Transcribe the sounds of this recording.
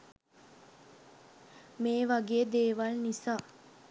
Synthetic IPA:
meːʋaɡeːd̪eːʋalnisaː

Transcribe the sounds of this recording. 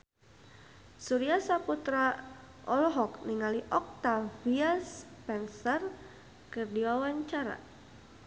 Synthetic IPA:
suɾiasaput̪ɾa | ʔɔlɔɦɔkniŋaliʔɔk̚t̪aviaspɛnsər | kərdiwawaɲt͡ʃaɾa̰

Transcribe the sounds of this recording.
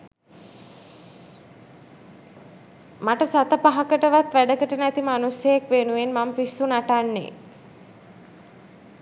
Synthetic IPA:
maʈəsat̪əpaɦakəʈəʋat̪ʋæɖəkəʈənæt̪imanusjəjakʋenuʋenmampisːunaʈanːḛ

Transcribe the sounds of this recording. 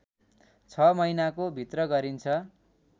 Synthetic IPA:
t͡sʰʌmʌjnakobʱit̪rʌɡʌɾint͡sʰʌ

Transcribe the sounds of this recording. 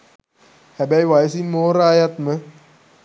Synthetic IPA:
hæbæjʋajəsinmoːɾaːjat̪mə

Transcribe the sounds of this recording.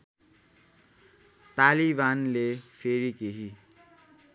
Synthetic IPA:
t̪alibanlepʰeɾikeɦi

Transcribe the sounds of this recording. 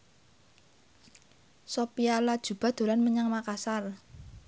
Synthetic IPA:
sopialad̥ʒ̥ṳb̥a̤d̪̥o̤lanməɲaŋmakasar

